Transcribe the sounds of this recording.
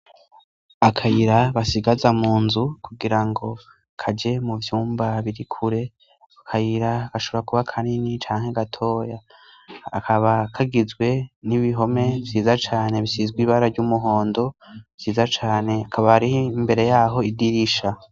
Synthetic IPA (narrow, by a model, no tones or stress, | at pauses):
akʰajiɾaβasiɡazamuːnzukʰuɡiɾaŋɡo̞ | kʰad͡ʒe̞muvjuːmbaβiɾikʰuɾe̞ | kʰajiɾakaʃoβoɾakuβakʰaninit͡ʃaːŋ̥e̞ɡatʰo̞ːjaː | kʰaβakʰaɡizɡwe̞niβiɦo̞me̞vziːzat͡ʃaːne̞βisizɡwiβaɾaɾɟumuɦo̞ːndo̞vz̥iːzat͡ʃaːne̞akʰaβahaɾihimbe̞ɾe̞jaːɦo̞idiɾiʃa